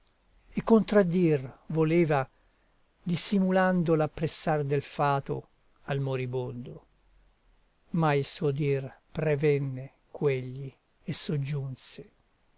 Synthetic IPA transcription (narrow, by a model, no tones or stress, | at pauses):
ekːont̪ɾad̪ːirvoleːva | d̪isːimuland̪olapːɾesːard̪elfaːt̪o̰ | almoɾibond̪o | mailsuod̪irpɾevɛnːe | kweʎːi | esːod͡ʒːunse̥